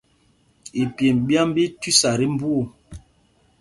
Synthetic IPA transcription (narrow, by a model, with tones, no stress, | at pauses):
i˨pje˨mbja˦m˦bi˦twi˦sa˨ɾi˦m˦bu˦o˨